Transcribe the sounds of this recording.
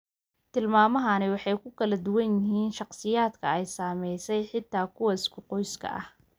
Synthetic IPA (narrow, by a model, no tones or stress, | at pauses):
t̪ʰɪlmaːmɐɦɐnɪwɑħɑjkʰʊkʰɐlɐd̪ʊwɐnjɪɦiːnʃɑqsɪjaːd̪kʰɐɛjsaːmɛjsɛjħɪt̪ʰːaːkʰʊwɐɪskʰʊqɔjskʰɐ̰ʔɐ̰h